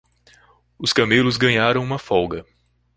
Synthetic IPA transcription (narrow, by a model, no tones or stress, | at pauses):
ʊskɐmelʊzɡɐ̃ɲaɾɐ̃w̃ũmɐfɔwɡɐ